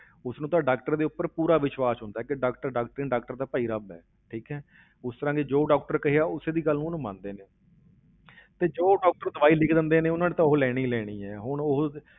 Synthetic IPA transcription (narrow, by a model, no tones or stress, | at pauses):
ʊsnũːt̪ãːɖaːk̚ʈəɾd̪eːʊpːəɾpuːɾaːʋɪʃwaːsɦʊ̃nd̪aːɛːkɪɖaːkʈəɾɖaːk̚ʈəɾɪ̃ːɖaːkʈəɾd̪aːpəːiːɾəbɛ̰ː | ʈʰiːkɦɛː | ʊst̪əɾãːɡeːd͡ʒoːɖaːk̚ʈəɾkəɦeaːʊseːd̪iːɡəlːnũːnũːmã̰ːnd̪eːneː | t̪eːd͡ʒoːɖaːk̚ʈəɾd̪əʋaːiːlɪkʰd̪ɪnd̪eːneːʊnãːnẽt̪ãːʊɦlɛːɽ̃iːlɛːɽ̃iːɛːɦʊɳʊɦ